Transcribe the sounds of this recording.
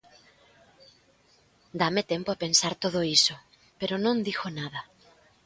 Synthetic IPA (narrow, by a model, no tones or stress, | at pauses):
d̪amet̪empoapensaɾt̪oðoiso | peɾonõnd̪ixonaðɐ